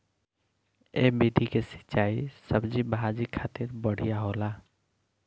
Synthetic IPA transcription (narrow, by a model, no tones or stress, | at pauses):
eːbid̪ʱikesɪ̥t͡ʃaːisəbd͡ʒibʱad͡ʒikʰaːt̪iɾbəɽ̤ijaɦola